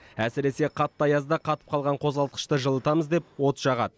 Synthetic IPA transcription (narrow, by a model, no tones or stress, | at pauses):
æsɪɾe̞se̞qʰɑt̪ːɑjɑzd̪ɑqʰɑt̪ə̥p̚qʰɑlˠʁɑɴqʰo̞zʁɑlˠt̪̚qə̥ʃt̪əʒəlˠət̪ɑməzd̪e̞p̚wo̞t̪ʒ̥ɑʁɑd̪ə